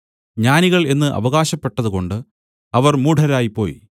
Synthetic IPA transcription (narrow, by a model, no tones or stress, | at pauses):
ɲaːniɣɐɭe̞nːɨʔɐ̰ʋɐɣaːɕɐpːe̞ʈːɐðuko̞ɳɖɨ | ɐʋɐrmuːʈʰɐɾaːjipːo̞̰ːj